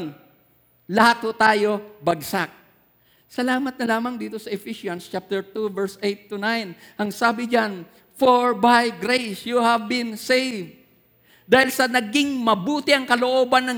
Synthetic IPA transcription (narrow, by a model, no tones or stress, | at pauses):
ŋ | lɐhat̪̚hot̪aːjo̞bɐɡsak̚ | sɐlaːmɐt̪̚nɐlaːmɐŋd̪iːt̪o̞sɐɛfiʃjɐnst͡ʃap̚t̪ɛɹt̪uvɛɹsejt̪ːunajnɐŋsaːbɪd͡ʒan | foɹbajɡɾejsjuhɐvbɪnsejvd̪ | d̪aːhɪlsɐnɐɡɪŋmɐbuːt̪ɪʔɐŋkɐloʔoːbɐnːɐ